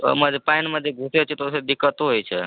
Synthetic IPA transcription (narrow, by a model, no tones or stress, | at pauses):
məd̪ʱepainməd̪ʱjeɡʱuseot͡ʃʰɛt̪ɔosed̪ikːət̪oɦojt͡ʃʰɛ